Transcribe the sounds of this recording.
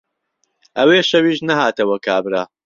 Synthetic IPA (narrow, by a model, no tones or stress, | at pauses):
ʔɐweːʃɐwiːʃnɐɦaːt̪ɐwɐkʰaːbɾaː